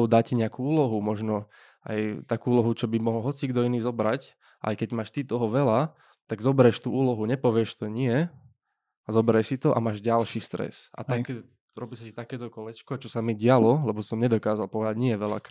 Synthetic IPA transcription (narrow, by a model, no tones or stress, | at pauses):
ʊd̪aciɲɛakuːuːlɔɦumɔʒnɔ | a̰jt̪akuːulɔɦut͡ʃɔbimɔɦɔlɦɔt͡siɡd̪ɔiniːzɔbɾac | ʔa̰jkɛɟmaːʃt̪it̪ɔɦɔʋɛla | t̪aɡzɔbɛɾɛʃt̪uːuːlɔɦuɲɛpɔʋɪɛʃt̪ɔɲɪɛ | azɔbɛɾɛsit̪ɔʔa̰maːʒɟalʃiːst̪ɾɛ̰sa̰t̪akɛ | ɾɔbiːsacit̪akɛːt̪ɔkɔlɛt͡ʃkɔt͡ʃɔsamiɟɪalɔlɛbɔsɔmɲɛd̪ɔkaːzalpɔʋɛd̪aɟɲɪɛʋɛla̰k